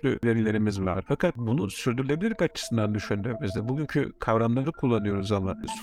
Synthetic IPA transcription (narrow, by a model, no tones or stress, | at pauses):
ly̰ve̞ɾilʲe̞ɾimizva̰ɾ̥fakʰat̪̚bunusyɾd̪yɾylʲe̞bilʲiɾkat͡ʃʰɯ̥sɯnd̪and̪yʃynd̪ɾemizd̪ɛbuɟyɲcʰy̰kʰavɾamd̪ad͡ʒɯkʰulˠːanɯjo̞ɾuzamans